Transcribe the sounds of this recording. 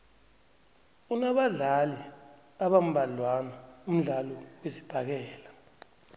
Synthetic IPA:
unaɓaɮali | aɓam̩ɓalwanaum̩ɮalɔwesi̥b̥ʱak̬ɛːla

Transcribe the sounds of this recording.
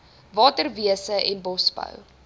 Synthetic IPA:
vɑːtərviəsəʔɛnbɔsbə̰w

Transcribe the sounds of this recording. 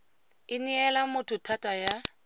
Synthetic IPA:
ɪniɛlamʊtʰʊtʰatʼaja

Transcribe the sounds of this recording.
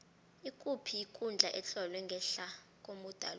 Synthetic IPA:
ikʼupʰiːkʼund͡ɮʱaʔɛt͡ɬʼɔlwɛŋɡʱɛɬa | kʼomud̥ʱa̰l

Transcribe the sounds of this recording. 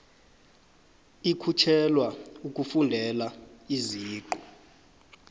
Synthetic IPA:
ikʰut͡ʃʰɛlwauk̬ʼufundʱɛlaiziːǃɔ

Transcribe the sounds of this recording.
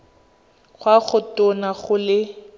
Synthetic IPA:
ɣwaχʊtʊnaχʊlɪ

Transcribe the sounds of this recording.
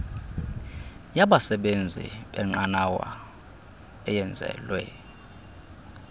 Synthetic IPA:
jaɓasɛɓend͡zʱḭɓɛŋ͡ǃanawa̰ | ɛjɛnd͡zʱɛ̰lwɛ

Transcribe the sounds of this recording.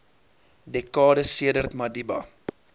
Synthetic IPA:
dɛkɑːdəsiədərt̪mɐdibɐ

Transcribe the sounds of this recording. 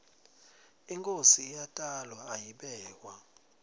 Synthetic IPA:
iŋkʼosiːjatʼalwaajiɓɛːk̬wa

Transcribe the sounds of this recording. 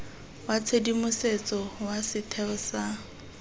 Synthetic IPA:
wat͡sʰedimʊset͡sʼɔwasɪtʰɛʊsa

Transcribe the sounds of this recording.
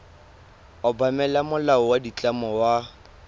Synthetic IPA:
ɔbamɛlamʊlaɔwadit͡ɬʼamɔwa

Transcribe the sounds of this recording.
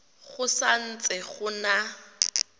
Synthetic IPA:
ɣʊsan̩t͡sʼɛχʊna

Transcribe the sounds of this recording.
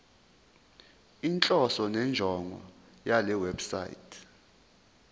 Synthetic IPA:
int͡ɬʼɔsɔnɛnd͡ʒʱɔŋʱɔ̰ | jalɛwɛbsa̰jḭtʰ

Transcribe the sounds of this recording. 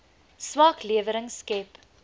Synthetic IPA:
sʋɑːkliəvəɾəŋskɛp

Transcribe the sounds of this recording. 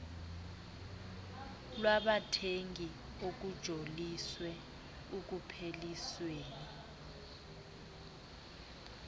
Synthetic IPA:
lwaɓatʰeŋɡʱi | ok̬ud̥ʒ̥ʱoliswɛ | uk̬upʰelisweːni

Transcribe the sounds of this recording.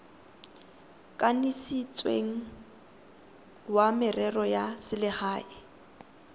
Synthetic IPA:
kʼanisit͡sʼwḛŋ̩ | wamɪrɛrɔjasɪlɪhaːɪ

